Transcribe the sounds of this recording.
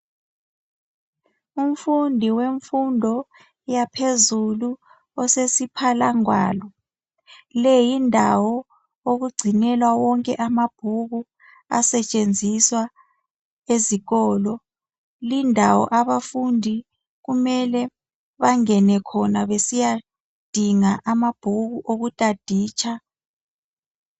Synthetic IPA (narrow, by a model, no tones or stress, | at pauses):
um̩fundʱiweɱfundʱɔ | japʰezulu | ɔsesipʰalaŋwa̰ːlɔ | lɛjindʱawɔ | oɣuɡ͡ǀʱinɛlwawɔŋkʼɛʔamab̥ʱuɣu | a̰sɛt͡ʃʼend͡zʱiswa | eziɣɔːlɔ | lindʱawɔ̰ʔaβafundʱi | ɣumɛlɛ | βaŋɛnɛkʰɔnaβesija | d̥ʱiŋaʔamab̥ʱuɣuʔoɣutʼad̥ʱiːt͡ʃʰʼa